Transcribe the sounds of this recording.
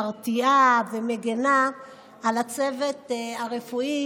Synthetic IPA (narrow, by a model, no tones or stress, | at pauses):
ʁt̪iabemeɡena | alat͡se̞ve̞t̪aʁefui